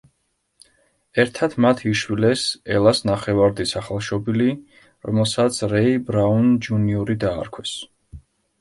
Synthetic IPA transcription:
ɛɾt̪ʰat̪ʰmat̪ʰiʃwilɛsɛlˠasnaχɛvaɾd̪isaχalˠʃɔbili | ɾɔ̰mɛlˠsat̪sʰɾɛibɾaund͡ʒuniuɾid̪a̰ːɾkʰwɛs

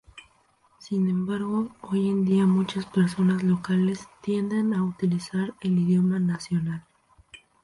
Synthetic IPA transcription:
sinẽ̞mbaɾɣo̞oje̞nd̪iamut͡ʃaspe̞ɾso̞nazlo̞kale̞st̪je̞nd̪e̞naut̪ilisaɾe̞liðjo̞manasjo̞nal

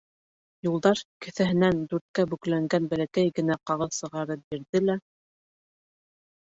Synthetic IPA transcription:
julˠd̪ɑɾkɘ̆θæɦɘ̆nænd̪ʉɾt̪̚kæbɵklæŋɡænbælækæjɡɘ̆næqɑʁɤðsɤ̆ʁɑɾɤp̚biɾðɘlæ

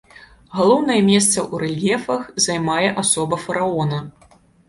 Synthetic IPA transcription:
ɣalˠɔwn̪ɐjɛmʲɛst̪sɐʔuɾɛlʲjɛfɐxzajmajɛʔasɔbɐfɐɾaɔnɐ

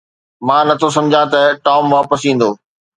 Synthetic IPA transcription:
mãːnɐt̪ʰos̬ɐ̃md͡ʑʱãt̪ɐʈɔːmʋaːpəsĩːn̆d̪oː

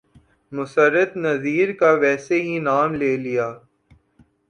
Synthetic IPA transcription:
mʊsəɾːət̪nɐziːɾkaʋɛːseɦinaːmleːlijaː

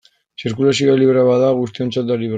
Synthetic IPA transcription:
siɾkulasioaliβɾaβaðaɣust̪io̞nt͡sat̪̚d̪aliβ

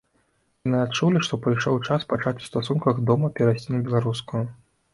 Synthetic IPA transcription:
janɨat̪t͡ʂulʲiʂt̪ɔpɾɨjʂɔwt͡ʂaspat͡ʂat͡sʲu̥st̪asunkɐɣd̪ɔmɐpʲɛɾasʲt͡sʲinɐbʲɛlˠaɾuskujʊ

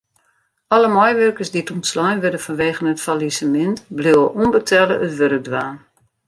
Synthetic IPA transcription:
ʔɔləmɔjʋørkərsdituntslɔjnʋødəfɔnʋeːɣənətfalisəmɪntblɪːwəʔunbətʰɛlə̰ʔətʋøɾək̚dʋaːn

